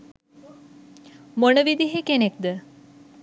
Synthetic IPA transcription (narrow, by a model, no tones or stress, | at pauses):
monəʋid̪iɦekenek̚d̪ə